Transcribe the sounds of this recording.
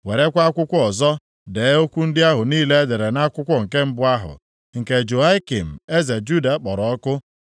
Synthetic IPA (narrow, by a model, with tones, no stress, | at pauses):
we˨ɾe˦kʷa˦kʷʊ˦kʷʊ˦ɔ˨zɔ˦ | deː˨˦o˦kʷu˦n̩˦dɪ˦a˦ɦʊ˨niː˦le˦e˦de˨ɾe˨na˦kʷʊ˦kʷʊ˦ŋ̩˨ke˦m̩˦bʊ˦a˦ɦʊ̰˨ | ŋ̩˨ke˨d͡ʒo˨a˦i˦ki˨m̩˨e˦ze˨d͡ʒu˦da˨˦k͡pɔ˨ɾɔ˨ɔ˦kʊ˦